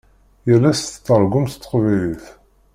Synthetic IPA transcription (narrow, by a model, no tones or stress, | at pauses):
jælːæst̪t͡sːəɾˤɡʊmst̪ːə̥qvæjliθ